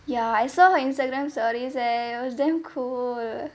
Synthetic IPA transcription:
jaajsɔɪ̃nsʈaɡɾaːmsɔːɾizɛʊsd̪emkʰuːl

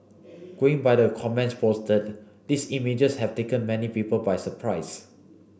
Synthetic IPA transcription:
ɡ̥oɪ̃ŋbajdəkʰɔmɛ̃ntspʰostət̚ | disimid͡ʒəshɛv̥tekə̃nmɛnipipəlbajsəpʰɹaɪs

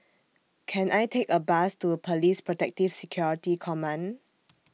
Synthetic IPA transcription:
kʰɛ̃nʔajtʰekəbastupʰəlispʰɹɔtɛk̚tifsɛkʰjɔɹitikʰɔmãn

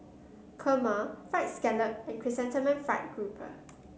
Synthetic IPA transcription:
kʰəməfaɪt̚skɛləp̚ɛ̃npʰɹisɛ̃ntəmɛ̃nfaɪt̚ɡ̥ɹupʰə̰

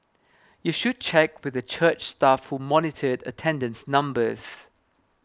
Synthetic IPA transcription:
juʃud̚t͡ʃʰɛkwɪðət͡ʃʰɜt͡ʃstafhumɔnɪtʰədə̰tʰɛ̃ndə̃nsnʌ̃mbəz̥

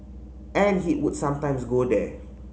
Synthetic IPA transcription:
ɛ̃nɦiʔwudsãmtãɪ̃msɡodɛ

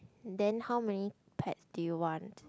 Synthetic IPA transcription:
dɛ̃nhawmɛni | pʰɛ̰tsdujuwɔ̃nt

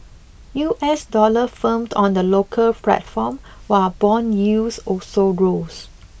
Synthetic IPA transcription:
juʔɛsdɔləfə̃mdɔ̃ndəlokʰəlplɛ̰tfɔ̃m | wabɔ̃njusɔsoɹos

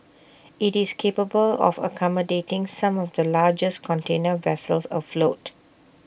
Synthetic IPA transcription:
ʔitiskʰepəbəlɔ̰fə̰kʰɔmədetɪ̃ŋsãmɔfd̪əlaːd͡ʒəskʰɔ̃ntʰẽnəvɛsəlsɔ̰flot

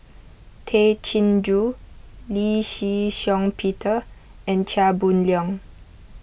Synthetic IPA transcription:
tʰet͡ʃʰĩnd͡ʒuliʃiʃɔ̃ŋpʰitʰə | ɛ̃nt͡ʃʰabunljɔ̃ŋ

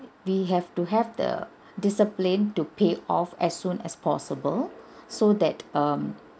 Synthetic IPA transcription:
wiɦɛftuɦɛvd̪ə̰ | dɪsəplĩntupeɔfɛsːũnɛ̰spʰɔsəbəlsod̪ɛtʌm

